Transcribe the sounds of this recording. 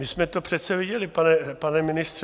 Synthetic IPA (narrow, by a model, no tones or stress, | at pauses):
mɪsmɛt̪opr̝̥ɛt̪t͡sɛvɪɟɛlɪpanɛpanɛmɪnɪst̪r